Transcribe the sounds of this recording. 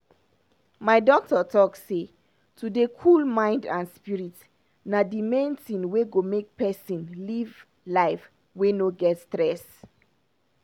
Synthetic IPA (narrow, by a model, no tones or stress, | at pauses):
maɪdɔk̚tɔtʰɔkse | tʰudekʰulmãɪ̃ndãnspiɹit | nadimẽntĩnweɡomek̚pɛsĩnliv | laɪf | wenoɡɛtstɹɛs